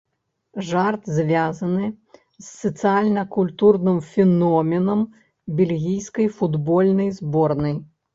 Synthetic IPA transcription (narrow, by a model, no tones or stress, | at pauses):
ʐart̪zʲvʲazɐnɨ | zːɐt̪sɨalʲnɐkulʲt̪urnɨmfʲɛnɔmʲɛnɐm | bʲɛlʲɣʲijskɐjfud̪bɔlʲnɐjzbɔrnɐj